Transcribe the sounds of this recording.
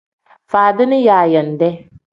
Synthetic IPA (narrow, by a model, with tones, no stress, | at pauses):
faː˨dɪ˦nɪ˦jaː˨jɐ˨n˨dɛ˦